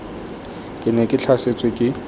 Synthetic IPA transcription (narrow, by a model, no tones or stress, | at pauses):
kʼɪnɛkʼɪt͡ɬʰaset͡sʼwɪkʼɪ